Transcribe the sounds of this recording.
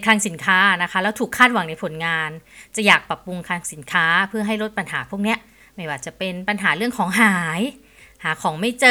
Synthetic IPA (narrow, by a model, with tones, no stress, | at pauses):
jkʰaː˧ŋsi˩˦nkʰaː˦˥˩na˦˥kʰa˦˥lɛː˦˥wt̪ʰuː˨˩kʰːaː˥˩t̪̚wa˩˦ŋna˧jpʰo˩˦nŋaː˧nt͡ɕa˨˩jaː˨˩k̚pa˨˩pːu˧ŋkʰaː˧ŋsi˩˦nkʰaː˦˥pʰɯ˥˩ɐɦa˥˩jɾo˦˥t̪̚pa˧nɦaː˩˦pʰu˥˩əni˦˥ɐʔ | ma˥˩jwaː˧˩t͡ɕa˨˩pe˧npa˧nɦaː˩˦ɾɯ˥˩əŋkʰɔː˩˦ŋɦaː˨˩˦j | haː˩˦kʰɔː˩˦ŋma˥˩jt͡ɕɤː˧